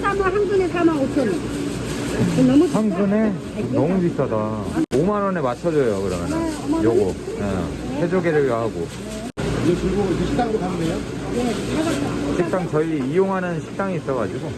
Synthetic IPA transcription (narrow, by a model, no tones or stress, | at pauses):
s͈amaɦanɡunesʰamaot͡ɕʰʌlːɯ | onʌmuaŋɡune̞ | nʌmupitʰʌdaomanʌne̞mat͡ɕʰʌd͡ʑʌjokɯɾʌmjʌnɯnjoɡʌ | ḛ | pʰed͡ʑoɡeɾɯɡaɦaɡo | jepuɭɡosʰeɕʰi̥t͈aŋɡotamneo | jeaɡʌt͈at͡ɕik̚t͈aŋt͡ɕʌiijoŋɦanɯnɕʰi̥t͈aŋiːs͈ʌɡad͡ʑiɡo